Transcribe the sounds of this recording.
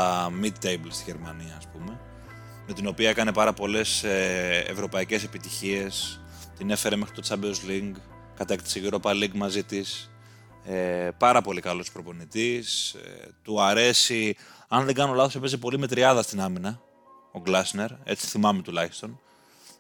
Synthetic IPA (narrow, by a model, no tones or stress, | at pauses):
ɐmid̪̚t̪ejblst̪iʝe̞ɾmɐniɐːspume̞ | me̞t̪ino̞piɐe̞kɐne̞pɐɾɐpo̞le̞seḛvɾo̞pɐice̞se̞pit̪içie̞s | t̪ine̞fe̞ɾe̞me̞xɾit̪o̞t͡sɐbeozliŋɡ | kɐt̪e̞kt̪i̥seʝiɾo̞pɐliɡmɐzit̪is | epɐɾɐpo̞likɐlo̞spɾo̞po̞nit̪ist̪uɐɾe̞siɐnðeŋɡɐno̞lɐθospe̞zepo̞lime̞t̪ɾiɐðɐst̪inɐminɐ | oɡlɐsne̞ɾe̞̰t͡si̥θimɐme̞t̪ulɐçi̥st̪o̞n